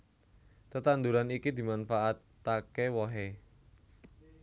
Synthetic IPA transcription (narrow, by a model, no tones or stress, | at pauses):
t̪ət̪and̪uɾanikid̪i̤manfaʔat̪ːakewɔɦe